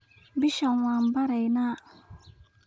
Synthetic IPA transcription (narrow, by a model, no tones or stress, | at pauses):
biʃaŋwaːmbaɾajnaː